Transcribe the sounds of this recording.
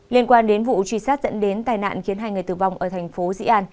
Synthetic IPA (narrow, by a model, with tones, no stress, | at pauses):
li˧ənkwaː˧nɗe˨˦nvṵ˧˨t͡ɕwi˧˩saː˦˥t̚zə̰˧˥nɗe˨˦nt̪aː˨˩jna̰ː˧˨nxi˨˦ənɦaː˧jŋɨ˨˩əjt̪ɨ˨˩va˧wŋ͡mʔəː˧˩t̪ʰɛ˨˩jŋ̟fo˨˦zḭ˧˥ʔaː˧n